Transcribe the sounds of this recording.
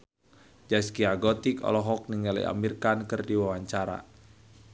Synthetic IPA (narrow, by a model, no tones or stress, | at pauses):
d͡ʒaskiaɡɔt̪ikɔ̰lɔɦɔk̚niŋɡalḭa̰mirkankərdiwawaɲt͡ʃaɾa̰